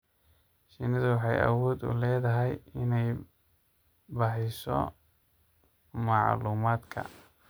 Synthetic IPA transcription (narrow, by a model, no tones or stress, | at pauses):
ʃɪnɐðʊwɑħɑjɐ̰wɔːd̪ʊ̰lɛːðɐɦɛjɪnɛj | bɐħɪsɔ̰ | mɑʕluːmaːd̪kʰɐ̰